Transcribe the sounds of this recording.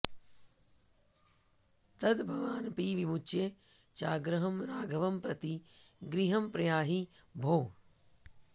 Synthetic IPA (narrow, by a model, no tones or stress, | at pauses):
t̪ɐd̪bʱɐʋaːnpiːʋimut͡ʃjet͡ʃaːɡɾɐɦɐmɾaːɡʱɐʋɐmpɾɐt̪iɡɾiɦɐmpɾɐjaːɦibʱoː